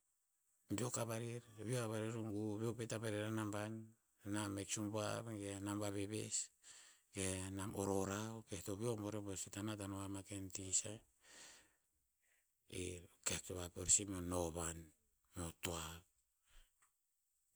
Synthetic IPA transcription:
biokabaɾiɾbiokaβaɾiɾuŋɡubiopetapaɾeɾanamban | nameksumbaβɡenambaβeβḛs | ɡenamoɾoɾaokehtoβio̞moɾebosetanatanoamakentisa | ḭkehtoβapoɾsimonoβan | motoaβ

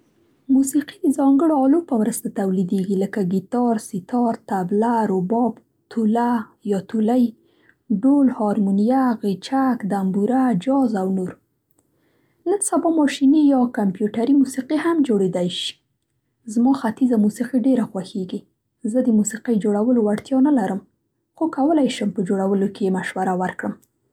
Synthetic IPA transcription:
musiqid̪əzɑŋɡəɽoɑlopəwɾəst̪at̪awlid̪eɡiləkaɡit̪ɑɾsit̪ɑɾt̪ablaɾobɑb | t̪ʰulajɑt̪ulaj | ɖolhɑɾmunijaɣet͡ʃakd̪ambuɾad͡ʒɑzawnoɾ | nənsabɑmɑʃinijɑkampjuʈaɾimusiqihamd͡ʒoɽed̪ajʃi̥ | zmɑxat̪izamusiqiɖeɾaxwaxeɡi | zəd̪əmusiqəjd͡ʒoɽawəlowaɽt̪jɑnalaɾəm | xokawəlajʃəmpəd͡ʒoɽawəlokejemaʃwaɾawaɾkɽəm

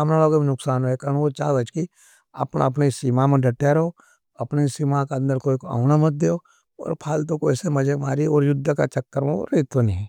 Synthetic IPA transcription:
mnaloːɡomẽnʊksaːnɦoekɐnokot͡ʃaːɡət͡ʃki | ɐ̰pna̰ɐpnesimamẽɖɐʈːaɾɦo | ɐpnesiːmakeɐ̃nd̪əɾkoːikoa̰ːʊnamɐt̪̚d̪eːo | ɔ̰ːɾpʰaːlt̪okoɛsemɐd͡ʒemaːɾiɔːɾjʊd̪ʱːəka̰t͡ʃɐkːəɾmo̰ɾet̪onĩɦɛː

